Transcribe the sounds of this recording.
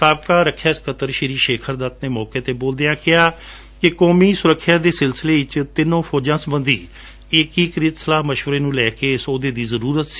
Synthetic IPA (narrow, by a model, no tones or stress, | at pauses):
saːb̚kaːɾəkʰːjaːɪskət̪əɾʃeɾiːʃeːkʰəɾd̪aːp̪neːmɔːkeːt̪eːboːld̪eːãːkɪaː | kɪkɔːmiːsʊɾəkʰːjaːd̪eːsɪlsleːɪt͡ʃt̪ɪnːõːpʰoːd͡ʒãːsəmə̃nd̪iː | ɪkiːkəɾɪt̪səlaːɦməʃʋəɾeːnũːlɛːkeːsoːd̪eːd̪iːzəɾuːɾət̪si̥ː